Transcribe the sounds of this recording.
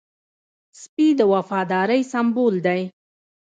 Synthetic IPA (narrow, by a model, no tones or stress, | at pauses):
spid̪əwafɑd̪ɑɾəjsambold̪aj